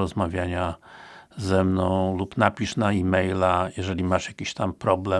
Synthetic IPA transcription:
ɔzmavʲjaɲa | zɛmnɔ̃w̃lupnapʲiʂnaimɛjlajɛʐɛlʲimaʂjakʲiɕt̪ampɾɔblɛ

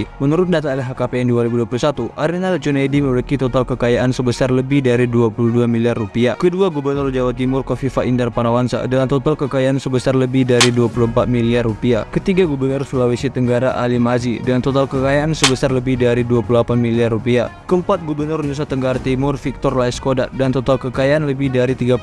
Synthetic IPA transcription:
mənuɾʊt̪̚dat̪alɦakapeɛnduaɾibuduapulusat̪uʔaɾinald͡ʒunajdiməməɾikit̪ot̪alkəkajaʔansəbəsarləbɪhdaɾiduapuluhduamiliarːupiakəduaɡubərnʊrd͡ʒawat̪̚kimʊrkɔfifaʔindarpanawansa̰dalat̪ot̪alkəkajaʔansəbəsarləbɪhdaɾiduapuluəmpat̪̚miliarːupiakət̪iɡaɡubərnʊrfilawisit̪əŋɡaɾaʔalimazidəŋant̪ot̪alkəkajaʔansəbəsarləbɪhdaɾiduapululapanmiliarupiakəəmpat̪̚ɡubərnʊrɲus̬at̪əŋɡaɾat̪imʊrfik̚t̪ɔrlaiskodadant̪ot̪alkəkajaʔanləbɪhdaɾit̪iɡa

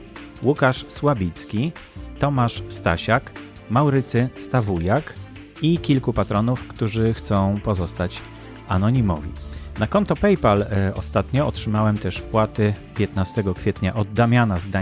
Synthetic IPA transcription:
wukaʂswabʲit̪skʲit̪ɔmaʂst̪a̰ɕak | mawɾɘt̪sɘst̪avujak | ikʲilkupat̪ɾɔnufkt̪uʐɘxt̪sɔ̃w̃pɔzɔst̪at͡ɕ | anɔɲimɔ̰vʲḭnakɔnt̪ɔpɛjpalɔ̰st̪at̪ɲɔɔtʂɘmawɛmt̪ɛʂfpwat̪ɘpʲjɛt̪nast̪ɛɡɔkfʲɛt̪ɲaʔɔd̪ːamʲjanazɡa

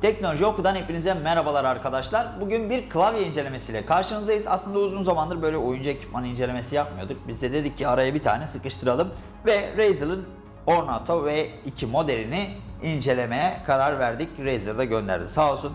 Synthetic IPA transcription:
t̪ʰɛcno̞lʲo̞ʒio̞kud̪anhepinizɛmeɾabalˠaɾaɾkʰad̪aʃlˠaɾbuɟynbiɾkʰlˠavjaind͡ʒe̞lʲe̞me̞sijlʲɛkʰaɾʃɯnɯzd̪ajɯza̰slˠɯnd̪auzunzamand̪ɯɾbø̞jlʲɛujund͡ʒaecʰi̥t̪manɯnind͡ʒelʲeme̞sijap̚mɯjo̞d̪uk̚bizd̪ɛd̪e̞d̪icʰːiaɾajabit̪ʰa̰ːnɛsɯkɯʃt̪ʰɯɾalˠɯm | vɛɾejzɯlˠɯn | o̞ɾnat̪ʰo̞vɛicʰimo̞d̪eɾiniind͡ʒe̞lʲe̞mejɛkʰaɾaɾvæɾd̪icɾejzɯɾd̪aɟø̞nd̪æ̰ɾd̪isaːlˠsun

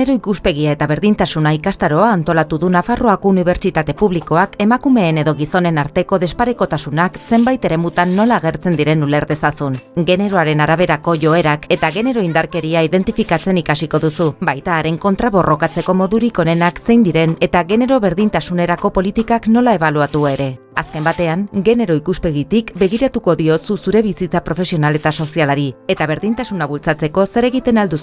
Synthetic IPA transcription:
eɾo̞ikuspe̞ɣ̞iae̞t̪aβ̞e̞ɾðint̪asunaikast̪aɾo̞aːnt̪o̞lat̪uðunafaro̞ako̞uniβ̞e̞ɾt͡ʃit̪at̪e̞puβliko̞ake̞makume̞ːneðo̞ɣ̞iso̞ne̞naɾt̪e̞ko̞ðe̞spaɾeko̞t̪asunakse̞mbajt̪e̞ɾe̞mut̪anːo̞laːɣ̞e̞ɾt͡se̞nd̪iɾe̞nule̞ɾðe̞sasunɡe̞ne̞ɾo̞aɾe̞naɾaβe̞ɾako̞ʝo̞e̞ɾake̞t̪aɣe̞ne̞ɾo̞ind̪aɾke̞ɾiaiðe̞nt̪ifikat͡se̞nikasiko̞ðusubajt̪aːɾe̞ŋko̞nt̪ɾaβo̞ro̞kat͡se̞ko̞mo̞ðuɾiko̞ne̞nakse̞jnd̪iɾe̞ne̞t̪aɣe̞ne̞ɾo̞βe̞ɾðint̪asune̞ɾako̞po̞lit̪ikakno̞lae̞β̞aluat̪ueɾe̞ | aske̞mbat̪e̞aŋɡe̞ne̞ɾo̞ikuspe̞ɣit̪ikbe̞ɣ̞iɾat̪uko̞ðio̞susuɾe̞βisit͡sapɾo̞fe̞sio̞nale̞t̪aso̞sialaɾie̞t̪aβ̞e̞ɾðint̪asunaβ̞ult͡sat͡se̞ko̞se̞ɾe̞ɣ̞it̪e̞nald̪us

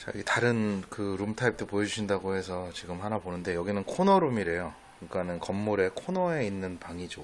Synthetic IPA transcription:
t͡ɕa̰jḭɡetaɾɯnkɯɾumtʰaip̚t͈opojʌd͡ʑuɕʰindaɡohesʰʌt͡ɕiɡɯmhanaponɯnde̞jʌɡinɯnkʰonʌɾumiɾe̞jokɯɲik͈anɯnkʌmːuɾe̞kʰonʌe̞inːɯnpaŋid͡ʑo

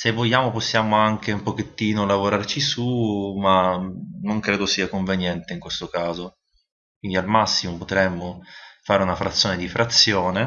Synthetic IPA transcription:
sevːoʎːaːmoposːjaːmoaŋk̟eumpok̟et̪ːiːnolavoɾart͡ʃisumanoŋkɾeːd̪osiːakoɱvenjɛnt̪eiŋkwest̪okaːzo | kwind̪ialmasːimopot̪ɾɛmːofaːɾeunafɾat̪sːjoːned̪ifɾat̪sːjɔːne

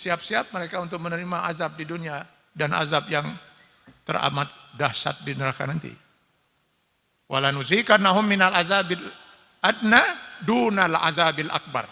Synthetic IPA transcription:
siap̚siap̚məɾekaunt̪ʊk̚mənəɾimaazap̚didunia | danʔa̰zapjaŋ | t̪ə̰ra̰mat̪̚dahsa̰t̪̚dinəɾaka̰nant̪ḭ | walanuzikanːaɦʊmːinalazabɪl | ad̚nadunala̰zabɪlʔa̰k̚ba̰r

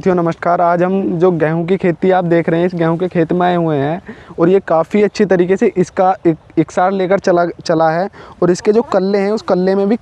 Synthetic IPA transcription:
t̪ʰijonɐməʃkaːɾaːd͡ʒɦɐmd͡ʒoːɡɛːɦũk̬ikʰeːt̪iaːp̚d̪eːkʰɾɐɦɛ̃ɪsɡɛ̃ːɦũkekʰeːt̪maːeɦueɦɛ̃ːɔːɾjekaːfiɐtːʃʰit̪ɐɾiːkeseʔɪskaɪɪksaːɾleːkəɾt͡ʃlat͡ʃɐlaɦɛɔːɾɪsked͡ʒoːkɐlːeɦɛ̃ʊskɐlːemẽbʱi

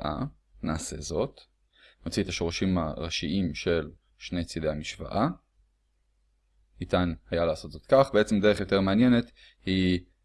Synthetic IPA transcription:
ʔa̰ | naːse̞̰zo̞t̪ | not͡sit̪aʃo̞ʁaʃima̰ʁaʃiʔimʃe̞l | ʃne̞jt͡sidejamiʃva̰ʔa | nitanhajalaːso̞tzo̞t̪kaχbeet͡semde̞eχjo̞t̪e̞ʁmeanje̞ne̞t̪ | hi

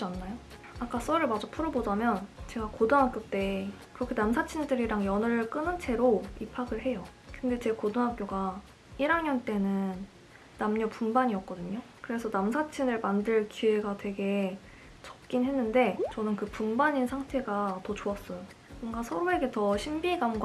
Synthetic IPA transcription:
d͡ʑanːajo | ak͈as͈ʌɾɯɭmad͡ʑopʰuɾʌbod͡ʑamjʌnt͡ɕe̞ɡakodoŋɦak͈jot͈e̞ | kɯɾʌkʰe̞namsʰat͡ɕʰindɯɾiɾaŋjʌnɯɾɯɭk͈ɯnɯnt͡ɕʰe̞ɾoipʰaɡɯɭɦe̞jʌ | kɯnde̞t͡ɕe̞kodɯŋɦak͈̚joɡa | iɾaŋɲʌnt͈e̞nɯnː | amɲʌpumbaɲiʌk͈̚ʌdɯɲokɯɾe̞sʰʌnamsʰat͡ɕʰinɯɭmandɯɭkie̞ɡatwe̞ɡe̞ | t͡ɕʌ̥k̚k͈inɦe̞nːɯnde̞t͡ɕʌnɯnkɯpumbaɲinsʰaŋtʰe̞ɡatʌt͡ɕoas͈ʌjo | bʌŋɡasʰʌɾoe̞ɡe̞tʌɕʰimbiɡamɡ

